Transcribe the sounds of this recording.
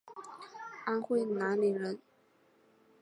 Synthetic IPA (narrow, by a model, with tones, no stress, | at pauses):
a˥nxwe˥˩ɪna˧˥nli˨˩ɻə˧˦˥n